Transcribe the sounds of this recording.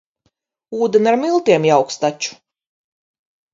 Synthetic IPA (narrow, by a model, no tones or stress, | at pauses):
uːd̪ʲenʲaɾmilˠt̪iɛmjawkst̪at͡ʃu̥